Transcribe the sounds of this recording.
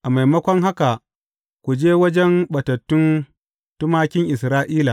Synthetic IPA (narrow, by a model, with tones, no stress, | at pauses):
ʔa˨ma˨jmɐ˦kʷɔ˦ŋɦa˦ka˨ | kʷu˨d͡ʒeː˦wɐ˦d͡ʒɛ˦mɓɐ˨tɐ˨tːʊ˦n | tʊ˦maː˦kʲɪ˦ŋʔɪ˨sɾaː˦ʔiː˦la˨